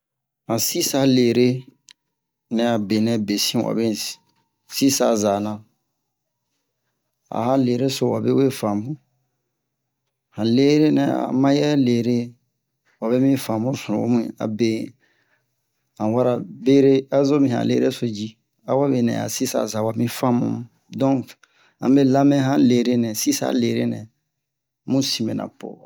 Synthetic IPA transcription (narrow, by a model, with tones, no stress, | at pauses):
hã˨si˦sa˦le˨ɾe˦ | nɛ˨a˨be˨nɛ̃˨be˨sĩ˦wa̰˨be˦ | si˦sa˦˨za˨nã˨ | a̰˨ha˦le˨ɾe˦so˦˨wa˨be˦we˦fã˨mũ˦ | hã˨le˦ɾe˦nɛ̰˨a̰˨mã˦jɛ˦leː˨ɾe˦ | wa˨be˦mĩ˦fã˨mũ˦su˨õ̰˨o̰˦mũ˦ḛ˨a̰˨be˨ | hã˨wa˦ɾa˨be˦ɾe˦a˦zo˦mĩ˨hã̰˨lḛ˦ɾe˦so˨d͡ʒi˦ | a˨wa˦be˨nɛ̰̃˨a̰˨si˦sa̰˨za˨wa˨mĩ˦fã˦mṵ̃˦ | dɔ̃˦ | ã̰˨be˦la˦mɛ̃˦ɦã˦le˨ɾe˦nɛ̃˨si˦sa̰˦le˨ɾe˦nɛ̃˨ | mũ˦sĩ˨mbe˨nʔã̰˨po̰˨wa˨